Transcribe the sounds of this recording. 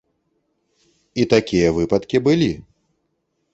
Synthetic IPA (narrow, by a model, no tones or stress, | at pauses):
it̪akʲijɐvɨpɐt̪kʲibɨlʲi